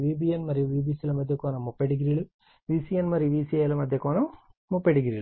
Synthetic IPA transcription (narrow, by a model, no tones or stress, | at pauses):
ʋibijɐnmɐɾiʋiːbiːsilɐmɐd̪ʱjɐkoːnɐmːupːeɽiɣiɾiɭu | ʋiːsijɐnmɐɾiʋiːsijɐjɐlɐmɐd̪ʱjɐkoːnɐmːupːeɽiɣiɾiɭ